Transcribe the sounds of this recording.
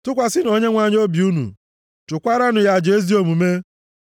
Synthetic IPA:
tʊ˦kʷa˨sɪ˦n˦o˦ɲe˦ŋʷa˨ɲ˦o˦bi˨u˦nṵ˨ | tʊ˨kʷa˦ɾa˦nʊ˨ja˦˨d͡ʒe˦zi˦o˨mu˨me˦

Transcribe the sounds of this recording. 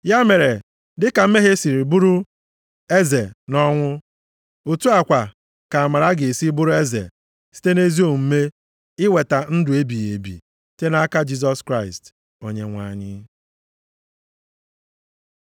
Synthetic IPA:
ja˦me˨ɾe˨ | dɪ˦ka˨m̩˦me˦ɦe˦si˨ɾi˨bu˦ɾu˦ | e˦ze˨nɔ˦ŋʷʊ˦ | u˨tu˦a˨kʷa˨ | ka˨a˨ma˨ɾa˦ɡe˨e˨si˦bu˦ɾʊ˦e˦zḛ˨ | si̥˦te˦ne˦zi˦o˦˨m̩˦me˦ | ɪ˦we˨ta˨n̩˦dʊ˨e˦bi˨je˨bḭ˨ | te˦na˦ka˦d͡ʒi˦s̬ɔ˦skɾa˦˨ɪ˨st | o˨ɲe˦ŋʷa̰˨ɲɪ˦

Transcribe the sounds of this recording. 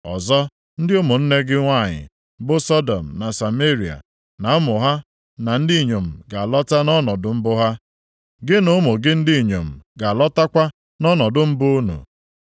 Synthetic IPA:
ɔ̰˨zɔ˦ | n̩˦dɪ˦ʊ˦mʊ˨n̩˦ne˦ɡɪ˦ŋʷa˦˨ɲɪ̰˨ | bʊ˦sɔ˦dɔ̰˨m̩˨na˨sa˨me˦ɾi˨a̰˨ | na˨˦mʊ˨ɦa˦ | na˨n̩˦di˦˨ɲo˨m̩˨ɡa˨lɔ˦ta˦nɔ˦nɔ˨dʊ˦m̩˦bʊ˦ɦa˦ | ɡɪ˦nʊ˦mʊ˨ɡɪ˦n̩˦di˦˨ɲo˨m̩˨ɡa˨lɔ˦ta˦kʷa˦ | nɔ˦nɔ˨dʊ˦m̩˦bʊ˦nṵ˨

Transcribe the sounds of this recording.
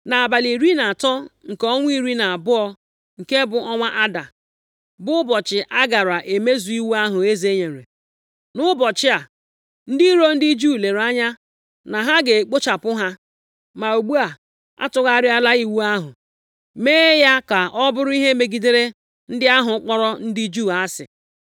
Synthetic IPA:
na˨a˨ba˨li˨ɾi˦na˨a˨tɔ˦ŋ̩˨kɔ˦ŋʷ˦i˦ɾi˦na˨a˨bʊ˦ɔ˦ | ŋ̩˨ke˦bʊ˨ɔ˦ŋʷa˦ʔa˦da˨ | bʊ˦bɔ˨t͡ʃɪ˨ʔa˦ɡa˨ɾa˨ʔe˨me˦zu˨˦i˦wu˦a˦ɦʊ˨e˦ze˦ɲe˨ɾḛ˨ | nʊ˦bɔ˨t͡ʃɪ˦a˨ | n̩˦di˦ɾo˦n̩˦di˦d͡ʒu˦˨le˨ɾa˦ɲa˦ | na˨ɦa˦ɡe˨k͡po˦t͡ʃa˨pʊ˦ɦa˦ | ma˨o˨ɡ͡bu˦a˨ | a̰˦tʊ˦ɣa˦ɾɪ˦a˦la˦i˦wu˦a˦ɦʊ̰˨ | meː˦ja˦ka˨ʔɔ˦bʊ˦ɾʊ˦i˦ɦe˦me˨ɡi˨de˦ɾe˦ | n̩˦dɪ˦a˦ɦʊ˨˦k͡pɔ˦ɾɔ˦n̩˦di˦d͡ʒu˦˨a˦sɪ̰˨

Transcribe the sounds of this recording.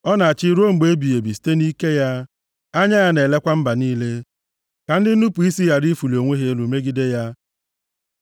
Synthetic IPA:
ɔ˦na˨a˨t͡ʃɪ˦ɾo˦ŋ͡m̩˨ɡ͡be˨˦bi˨je˨bi˨si̥˨te˦ni˦ke˦ja˦ | a˦ɲa˦ja˦ne˨le˦kʷa˦m̩˦ba˨niː˦le˦ | ka˨n̩˦dɪ˦nu˦pu˨i˦si˦ja˦ɾi˦fu˨lo˨ŋʷe˦ɦe˦lu˨me˦ɡi˦de˦ja˦

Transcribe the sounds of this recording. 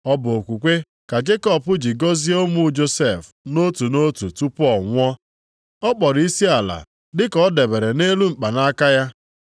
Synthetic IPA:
ɔ˦bʊ˨o˨kʷu˨kʷe˦ | ka˨d͡ʒe˦kɔ˦pʊ˦d͡ʒi˨ɡo˦zi˦o˦mu˦d͡ʒo˦se˨f | no˦tu˨no˦tu˨tu˦pɔ˦˨ŋʷɔ˦ | ɔ˦k͡pɔ˨ɾi˦si˦a˨la̰˨ | dɪ˦kɔ˦de˨be˨ɾe˨ne˦lu˦m̩˨k͡pa˨na˦ka˦ja˦

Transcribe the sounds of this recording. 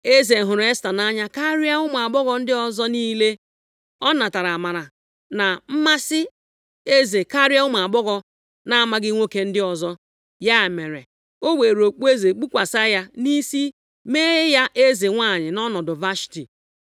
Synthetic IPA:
e˦ze˨ɦʊ˨ɾe˦sta˨na˦ɲa˦ka˦ɾja˦ʊ˦ma˨ɡ͡bɔ˦ɣɔ˨n̩˦dɪ˦ɔ˨zɔ˦niː˦le˦ | ɔ˦na˨ta˨ɾa˨ma˨ɾa˨ | na˨m̩˦ma˦sɪ˦ | e˦ze˨ka˦ɾja˦ʊ˦m˨a˨ɡ͡bɔ˦ɣɔ˨ | na˨ma˦ɡɪ˦ŋʷo˦ke˦n̩˦dɪ˦ɔ˨zɔ˦ | ja˦˨me˨ɾḛ˨ | o˦we˨ɾo˨k͡pu˦e˦ze˨k͡pu˦kʷa˨sa˦ja˦ni˦si˦ | me˦e˦ja˦ʔe˦ze˨ŋʷa˦˨ɲɪ˨nɔ˦nɔ˨dʊ˨va˦ʃti˨

